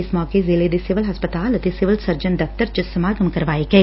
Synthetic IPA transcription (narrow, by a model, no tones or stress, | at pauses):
ɪsmɔːkezɪled̪ɪsɪʋəlɦɐspət̪aːlɐt̪esɪʋəlsɐɾd͡ʒənd̪ɐft̪əɾd͡ʒɪsɐmaːɡɐmkɐɾʋaːeɡɐe